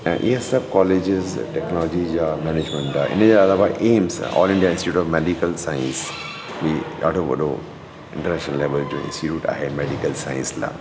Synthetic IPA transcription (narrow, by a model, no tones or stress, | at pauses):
ʔḭɦsɐbkɔːleːd͡ʒɪzʈɛknɔːlɔd͡ʒid͡ʑamɛneːd͡ʒmə̃ɳʈa̰ʔɪ̰ned͡ʑaɐlaːʋaʔeːmsɔ̰ːlɪ̃ɳɖijaɪ̃nsʈɪiʈt͡ʃuːʈɔːʋmeɖikəlsaːɪ̃ns | bia̰ːʈoʋɐ̰ɗo̰ | ɪ̃ɳʈəɾnɛːʃnəlːeːʋəld͡ʒo̰ːɪ̰̃nsʈɪʈuːʈa̰ːɦemeːɖikəlsa̰ːɪ̰̃nsla̰ː